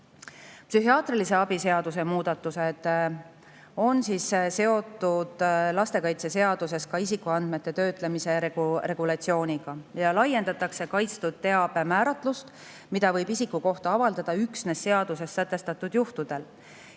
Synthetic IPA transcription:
psyɦiɑːt̪rilise̞ɑbise̞ɑd̪use̞muːd̪̥ɑt̪ːˑuse̞d̪̥ | o̞nsiːsse̞o̞t̪ːˑud̪̥lɑst̪e̞kɑjt̪se̞se̞ɑd̪̥us̬e̞skɑisikˑuɑnd̪̥me̞t̪ˑːe̞t̪ø̞ːt̪ˑle̞mise̞ɾeɡre̞ɡ̥ulɑt̪sio̞ːnʲiɡ̥ɑjɑlɑje̞nd̪ɑt̪ːˑɑkse̞kɑjt̪st̪ud̪̥̚t̪ːe̞ɑb̥emæːɾɑt̪ːˑlust̪ | mid̪ɑvɤ̞jbisikːˑuko̞ht̪ɑɑvɑld̪ɑd̪̥ɑyksne̞sːe̞ɑd̪̥use̞sːæt̪ːe̞st̪ɑt̪ːˑud̪̥juht̪ud̪̥e̞l

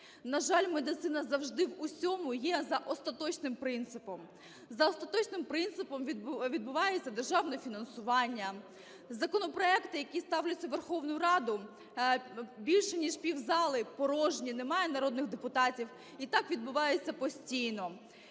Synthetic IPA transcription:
nɐʒɑlʲmed̪ɪt̪sɪnɐzɐwʒd̪ɪwusʲɔmʊjɛzɐʔɔst̪ɐt̪ɔt͡ʃnɪmpɾɪnt̪sɪpɔm | zɐɔst̪ɐt̪ɔt͡ʃnɪmpɾɪnt̪sɨpɔmʲʋʲid̪̚bʊʋɑjet͡sʲːɐd̪erʒɑwnɛfʲinɐnsʊʋɑnʲːɐ | zɐkɔnɔpɾɔɛkt̪ɪjɐkʲist̪ɑwlʲɐt͡sʲːɐʋerxɔwnʊjʊɾɑd̪ʊ | bʲilʲʃɛnʲiʃpʲiwzɑlˠɪpɔɾɔʒnʲinɛmɑjɛnɐɾɔd̪nɪɣd̪epʊt̪ɑtʲiw | it̪ɑkʋʲid̪bʊʋɑjet͡sʲːɐpɔsʲtʲijnɔ

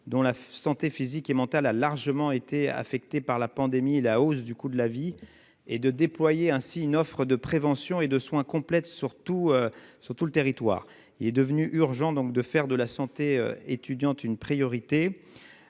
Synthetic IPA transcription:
d̪ɔ̃lasɑ̃t̪efizikemɑ̃t̪alalaʁʒəmɑ̃et̪ea̰fɛk̚t̪epaʁlapɑ̃d̪emielaosd̪ykud̪əlavi | ed̪əd̪eplwajeɛ̃siynɔfχəd̪əpχevɑ̃sjɔ̃ed̪əswɛ̃kɔ̃plɛt̪syʁt̪uøsyʁt̪ulət̪eʁit̪wa̰ːʁ | ilɛd̪əvnyʔyʁʒɑ̃d̪ɔ̃k̚d̪əfɛʁd̪əlasɑ̃t̪eø̰et̪yd̪jɑ̃t̪ynpχijɔʁit̪e

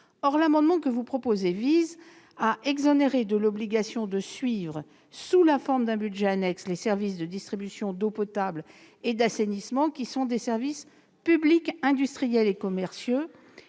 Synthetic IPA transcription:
ɔʁlamɑ̃d̪mɑ̃kəvupχɔpozeviz | aʔɛɡzɔneʁed̪əlɔbliɡasjɔ̃d̪əsɥivʁə | sulafɔʁmd̪ɛ̃bydʒɛanɛkslesɛʁvis̬d̪əd̪ist̪χibysjɔ̃d̪opɔt̪abl | ed̪asenismɑ̃kʲisɔ̃d̪esɛʁvis | pyblikɛ̃d̪yst̪χijɛlekɔmɛʁsjo

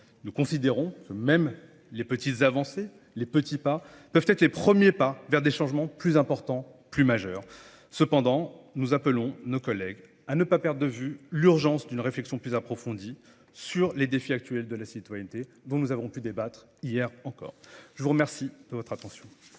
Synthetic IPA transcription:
nukɔ̃sid̪eʁɔ̃kəmɛm | lepət̪it̪zavɑ̃se | lepət̪ipa | pœvt̪ɛt̪χlepχəmjepavɛʁd̪eʃɑ̃ʒmɑ̃plyzɛ̃pɔʁt̪ɑ̃ | plymaʒœːʁ | səpɑ̃d̪ɑ̃nuzapəlɔ̃nokɔlɛɡ | anəpapɛʁd̪ʁd̪əvylyʁʒɑ̃sd̪ynʁeflɛksjɔ̃plyzapχɔfɔ̃d̪i | syʁled̪efiak̚t̪ɥɛld̪əlasit̪wajɛnt̪e | d̪ɔ̃nuzavɔ̃pyd̪ebat̪χ | ijɛʁɑ̃kɔ̰ːʁʒ̥əvuʁəmɛʁsid̪̥əvɔt̪χat̪ɑ̃sjɔ̃

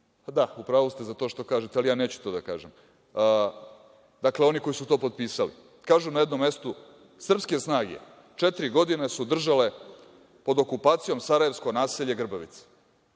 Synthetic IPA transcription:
ad̪aupɾaːʋost̪ezat̪o̞ːʃt̪o̞kaːʒet̪ealijaːne̞ːt͡ɕu̥t̪oːd̪akaːʒemː | d̪akleo̞niko̞jisut̪o̞ːpo̞d̪̚piːsalḭ | kaːʒunajed̪no̞mːe̞st̪u | sr̩pske̞snaːɡḛ | t͡ʃet̪iɾiɡo̞d̪inesud̪r̩ʒale̞ | po̞d̪o̞kupaːt̪sijo̞msaɾaje̞ʋsko̞naːseʎeɡr̩baʋḭt̪se̥

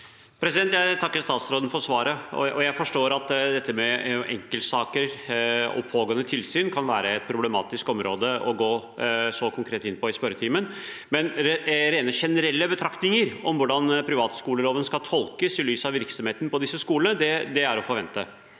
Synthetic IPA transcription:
pʰɾɛsɪd̪ɛnt̪jæɪt̪ʰɑkːəʂt̪ɑːt̪sɾoːd̪ən̩fɔɾsʋɑːɾəɔ̰ʔɔjæɪfɔʂʈoːɾɑt̪d̪ɛt̪ːəmɛʔɛ̰ŋkəlt̪sɑːkəɾɔ̰pʰhoːɡoːənət̪ʰɪlsyːnkʰɑnʋæːɾəɛt̪̚pʰɾʊblɛmɑ̰ːt̪ɪskɔmɾoːd̪əʔɔɡoːsɔkʰʊŋkʰɾeːt̪ɪnpʰɔɪspœɾət̪ʰiːmənmɛnɾeːnəʂɛnəɾɛlːəbət̪ʰɾɑkt̪nɪŋəɾɔmʋʊɖɑnpʰɾɪʋɑːt̪skuːləloːʋənskɑlt̪ʰɔlkəsɪlyːsɑʋɪɾksɔmheːt̪ən̩pʰɔd̪ɪsːəskuːlənəd̪ɛd̪ɛæɾɔfɔɾʋɛnt̪ə

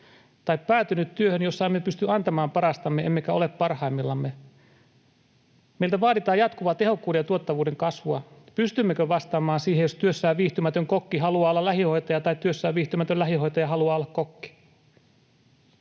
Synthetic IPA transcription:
t̪ɑippæːt̪ynyt̪tyøhønjosːɑemːepyst̪yɑnt̪ɑmɑːmpɑɾɑst̪ɑmːeemːekæoleppɑrhɑimːilːɑmːe | melt̪æʋɑːdit̪ɑːjɑt̪kuʋɑt̪e̞hokːuːdejɑt̪uot̪ːɑʋuːdeŋkɑsʋuɑpyst̪ymːekøʋɑst̪ɑːmɑːnsiːhejost̪yøsːæːʋʋiːht̪ymæt̪øŋkokːiɦɑluɑːolːɑlæhiho̞it̪ɑjɑt̪ɑitt̪yøsːæːʋʋiːht̪ymæt̪ølæɦiho̞jt̪ɑjɑhɑluɑːolːɑkkokːi̥

